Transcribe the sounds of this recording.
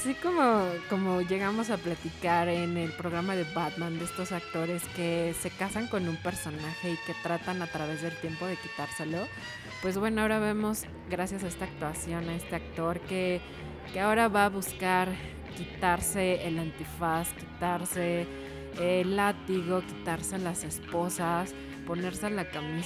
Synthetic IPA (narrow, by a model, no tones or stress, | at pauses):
asiko̞mo̞ko̞mo̞ʝe̞ɣamo̞s̬aplat̪ikaɾene̞lpɾo̞ɣ̞ɾamaðe̞βat̪mãnd̪e̞st̪o̞sak̚t̪o̞ɾe̞ske̞se̞kasaŋko̞nũmpe̞ɾso̞naxe̞ike̞t̪ɾat̪anat̪ɾaβ̞e̞zðe̞lt̪je̞mpo̞ð̞e̞kit̪aɾse̞lo̞ | pwe̞zβwe̞noao̞ɾaβe̞mo̞z | ɣɾasjasae̞st̪aːk̚t̪wasjo̞nae̞st̪e̞ak̚t̪o̞ɾke̞ | keao̞ɾaβaːβuskaɾ | kit̪aɾse̞ːlant̪ifaskit̪aɾse̞ | lːat̪iɣo̞ki̥t̪aɾse̞lase̞spo̞sas | po̞ne̞ɾse̞alakami